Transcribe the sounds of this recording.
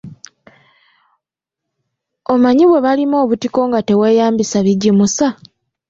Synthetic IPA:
omaɲiβwe̞βalimo̞ːβutiko̞ŋɡate̞weːjaːmbisaβiɟimusa

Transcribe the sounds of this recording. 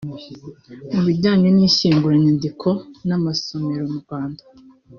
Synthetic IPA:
muβiɟaːɲenɲiːçiːŋɡuɾaɲandikʰo̞namasomeɾomuɡwaːndḁ

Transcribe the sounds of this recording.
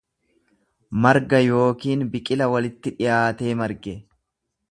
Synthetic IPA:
mɐɾɡɐjo̞ːkiːnbɪkʼɪlɐwɐlɪt̪ːɪᶑɪjaːt̪e̞ːmɐɾɡɛ

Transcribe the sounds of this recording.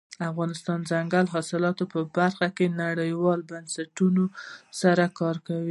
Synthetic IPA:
afɣɑnɪst̪ɑnzaŋɡalɦɑsɪlɑt̪opəbaɾxakenaɽəjwɑlbansaʈunosaɾakɑɾkawi

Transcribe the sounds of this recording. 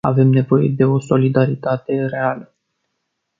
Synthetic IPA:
a̰ve̞mne̞vo̞je̞d̪e̞o̞so̞lid̪aɾit̪at̪e̞re̞alə

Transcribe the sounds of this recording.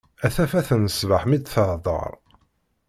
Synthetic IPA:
æθæfæθənəsləħmid̪θəʕðˤə̰ɾˤ

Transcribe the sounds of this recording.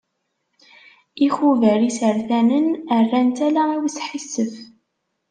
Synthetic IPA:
ixuvəɾisəɾθænənərːænt̪ælæiwsħisːəf

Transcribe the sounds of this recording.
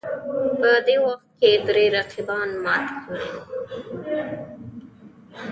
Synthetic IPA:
pəd̪ewaxt̪̚ked̪ɾeɾaqʰibɑːnmɑːt̪kʰəɾe

